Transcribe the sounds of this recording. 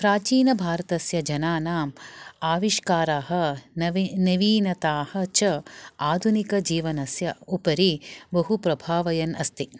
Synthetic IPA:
pɾaːt͡ʃiːnɐbʱaːɾɐt̪ɐsjɐd͡ʒɐnaːnaːmaːʋiʃkaːɾaːɦɐ̆nnɐʋiːnɐt̪aːhɐ̆t͡ʃɐaːd̪ʱunikɐd͡ʒiːʋɐnɐsjɐupɐɾibɐɦupɾɐbʱaːʋɐjɐnɐst̪i

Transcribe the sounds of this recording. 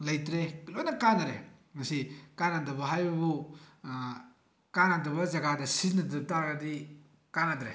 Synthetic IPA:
lɐjtɾeklojnɐkanɐɾḛmɐsikanandɐbɐɦajbɐbu | kanandɐbɐzɐɡadɐsizinɐdutaɾɡɐdi | kanadɾḛ

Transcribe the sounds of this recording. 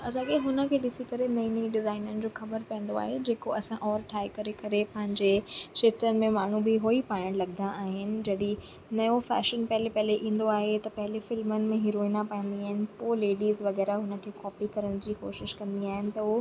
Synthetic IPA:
ɐsãːkeɦʊnə̆kʰeːɗɪsikɐɾenɐĩnĩɖɪzaːɪnənɪ̆d͡ʑoːxɐbəɾpɐɦə̃n̆d̪oa̰ːɦed͡ʑeːkoɐsãʔɔːɾʈʰaːikɐɾekɐɾepɐɦɪ̃ɲd͡ʑeʃet̪ənɪ̆mẽmaːɳ̤ũbɪɦoːipaːjəɽ̃lɐɠ̚nd̪aaːɦɪnɪ̆d͡ʑɐɗi | nɐjofɛ̰ːʃənpɐɦɪlepɐɦleʔĩːn̆d̪oaːɦet̪ɐpɐɦɪlefɪlmənɪ̆mẽɦɪɾoːinapɐə̃nd̪iaːɦɪnɪ̆poːleːɖiːzʋɐɣɛːɾaɦʊnə̆kʰeːkɔːpikɐɾəɽ̃d͡ʑiːko̰ːʃɪʃkɐ̃nd̪iaːɦɪnɪ̆t̪ɐɦu

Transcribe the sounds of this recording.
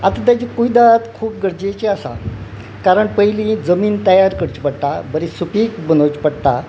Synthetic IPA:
at̪at̪jat͡ɕikuid̪at̪kʰuːp̚ɡəɾd͡ʑet͡ɕeasa̰ | kaɾəɳpəɦjlĩd͡zəmiːnt̪əjaɾkəɽt͡ɕpəɽt̪abəɾisupikbənot͡ɕpəɽt̪a

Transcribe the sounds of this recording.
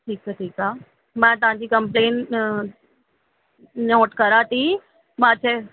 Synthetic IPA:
ʈʰiːk̚sʰeʈʰiːkaː | mãːt̪ɐʋ̤ãɲd͡ʑiːkɐ̃mpleːn | nɔːʈkəɾaːt̪i | mãːt͡ɕʰeː

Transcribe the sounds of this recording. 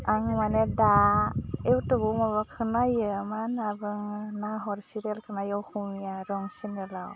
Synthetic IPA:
aŋmaneda | ewtɯbumabakʰɯnajɯmanabɯŋnaɦɔɾsiɾelkʰɯnajɔwkʰumijaɾɔŋsinɯlaw

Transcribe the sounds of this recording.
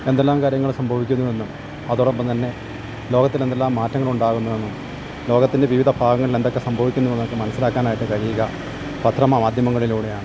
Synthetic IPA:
e̞nd̪elːaːmkaːɾjɐŋːɐɭsɐmbʱɐʋikʲːunːuðe̞nːum | ɐðoɽɐmbomt̪ɐnːe̞ | loːɣɐt̪ːile̞nd̪elːaːmːaːtːɐŋːɐɭuɳɖaːɣunːɐʋe̞nːum | lo̞ːɣɐt̪ːinde̞ʋiʋid̪ɐbʱaːɣɐŋːɐɭile̞nd̪o̞kːe̞sɐmbʱɐʋikʲːunːuenːɐɐkːɨmɐnɐsːilaːkːaːnaːjɐʈːɨkɐɾiːɣɐ | pɐt̪ʰrɐmɐmaːd̪jɐmɐŋːɐɭiluːɽe̞jaːɳɨ

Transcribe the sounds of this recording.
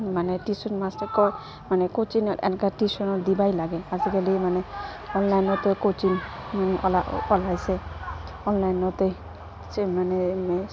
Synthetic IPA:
maneʈisɔnmastɔɾkɔ | manekot͡ʃinɛ̰nkaʈisɔnɔd̪ibajlaɡɛasikelimane | ɔnlajnɔt̪ɔkot͡ʃinɔlaɔlajsɛ | ɔnlajnɔt̪ɔ | semanemɛ

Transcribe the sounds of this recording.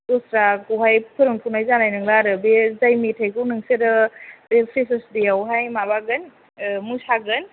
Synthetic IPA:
dosɾakuɦajpʰɯɾɯŋtʰunajzanajnɯŋlaɾɯbezajmitʰajkuwnɯŋseɾɯbepʰɾesɯsdiawɦajmabaɡɯn | musaɡɯn

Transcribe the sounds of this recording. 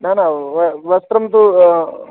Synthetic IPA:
nanaʋəʋɐst̪ɾɐmt̪u

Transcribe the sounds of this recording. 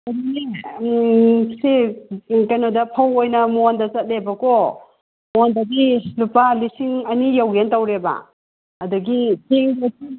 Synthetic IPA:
adune | se | kajnodɐpʰawojnɐmuandɐt͡ʃɐt̚lebɐkɔ | muandɐdilupalisiŋɐnijawɡentawɾeba̰ | ɐdɐɡitʰeŋdati

